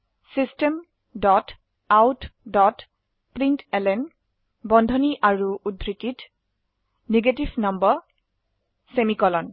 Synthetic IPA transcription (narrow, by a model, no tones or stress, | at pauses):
sistem | dɔt | awtdɔt | pɹintɛlɛn | bɔndʱɔniʔaɹuʔudʱɹitit | neɡetifnɔmbɔ | semikɔlɔn